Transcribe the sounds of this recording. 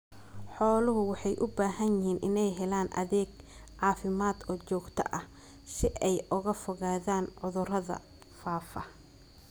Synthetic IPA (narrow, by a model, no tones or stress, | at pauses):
ħɔːlʊɦʊwɑħɑjʔʊbaːɦɐnjɪɦiːnʔɪ̰nɛjɦɛlaːnʔɐ̰ðɛːɡʕɑːfɪmaːd̪ɔːt͡ʃɔːɡt̪ʰɐ̰ʔɐh | sɪʔɛjʔʊɣɐfɔɣaːðaːnʕʊðʊrɐðɐ̰ | faːfɐ